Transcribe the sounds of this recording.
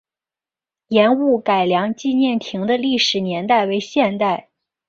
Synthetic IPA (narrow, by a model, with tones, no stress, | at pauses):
jɛ˧˥nu˥˩ka˨˩ɪljɑ˧˥ŋt͡ɕi˥˧njɛ˥˩nt̪ʰi˧˥ŋd̪ə˧li˥˩ʂɻ̩˨˩njɛ˧˥nt̪a˥˩ɪwe˧˥ɪɕjɛ˥˧nt̪a˥˩ɪ